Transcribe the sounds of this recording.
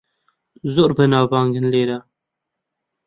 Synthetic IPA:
zoɾbənaːbɑːŋɡənleːɾa

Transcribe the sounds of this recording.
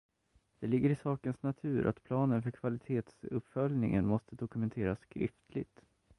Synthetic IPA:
d̪̥ɛlɪɡːəɾɪsɑːkənsnat̪ʰʉ̟ːɾʔa̰t̪pʰlɑːnənfœɾkʰvalɪt̪ʰeːt̪sɵpːfœljnɪŋə̰nmɔst̪əd̪ɔkɵmɛnt̪ʰeːɾaskʰɾɪ̰ft̪ʰlɪ̰ɡt̪

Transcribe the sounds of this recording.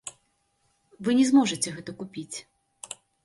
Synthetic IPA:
vɨnʲɛzmɔʐɨt͡sʲɛɣɛt̪ɐkupʲit͡sʲ

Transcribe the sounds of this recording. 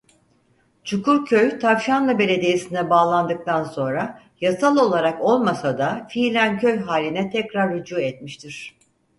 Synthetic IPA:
t͡ʃʰukuɾcʰøjt̪ʰavʃanlˠabe̞lʲe̞d̪ijesind̪ɛbaːlˠand̪ɯk̚t̪ʰanso̞nɾa | jasalˠo̞lˠaɾako̞lˠmasad̪afiːlʲæncʰø̞jɦaːlʲinɛt̪ʰɛcɾaɾːud͡ʒuːɛt̪miʃt̪ʰiɾ̥

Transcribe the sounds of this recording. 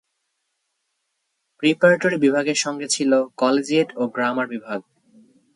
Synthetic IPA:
pɾipaɾaʈoɾibibʱaɡeɾʃɔŋɡet͡ɕʰilokɔled͡ʑieʈoɡɾamaɾbibʱaɡ

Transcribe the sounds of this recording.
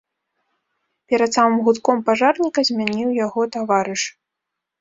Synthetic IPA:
pʲɛɾɐt̪samɨmɣut̪kɔmpaʐarnʲikɐzʲmʲanʲiwjaɣɔt̪avaɾɨʂ

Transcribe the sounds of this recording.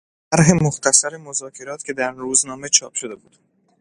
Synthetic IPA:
æɾɦe̞moxt̪ʰæsæɾemo̞zɒːcʰe̞ɾɒːt̪cʰe̞d̪æɾɾuːznɒːme̞t͡ʃʰɒːpʃo̞d̪e̞buːd̪̥

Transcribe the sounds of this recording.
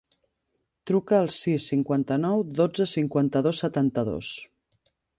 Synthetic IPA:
t̪ɾukəːlˠsisːiŋkwant̪ənɔwd̪od͡zəsiŋkwant̪əðosːət̪ant̪əðo̰s

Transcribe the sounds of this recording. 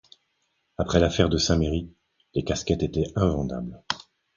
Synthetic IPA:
apχɛlafɛʁd̪əsɛ̃meʁi | lekaskʲɛt̪et̪ɛɛ̃vɑ̃d̪a̰bl

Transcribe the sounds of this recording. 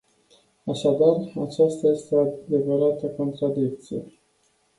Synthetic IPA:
aʃad̪arat͡ʃast̪aje̞st̪ead̪e̞vəɾat̪əko̞nt̪ɾad̪ik̚t̪sijḛ

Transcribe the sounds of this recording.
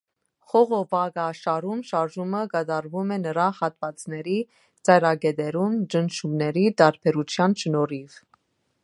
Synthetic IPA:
χɔʁɔvɑɡɑʃɑɾumʃɑɾʒuməkɑd̪ɑɾvumɛnəɾɑhɑt̪vɑt͡snɛɾi | t͡sɑjɾɑɡɛd̪ɛɾumd͡ʒənʃumnɛɾid̪ɑɾpʰɛɾut͡sʰjɑnʃnɔɾiv

